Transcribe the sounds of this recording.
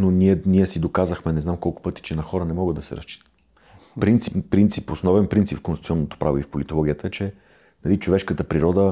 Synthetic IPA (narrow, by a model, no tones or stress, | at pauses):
noniɛnʲiɛsid̪okazəxmɛnɛznamkɔlˠkʊ̥pɤt̪i̥t͡ʃɛnɐxɔɾənɛmɔɡəd̪ːɐsɛ̰ɾɐst͡ʃi̥t̪ə̥ | pɾint̪sippːɾint̪siposnɔvɛnpɾint̪sipfkonst̪iɔnːot̪o̥pɾʔavoifpolit̪olˠɔɡʲiət̪əɛt͡ʃɛ | nɐlit͡ʃovɛʃkət̪əpɾiɾɔd̪ə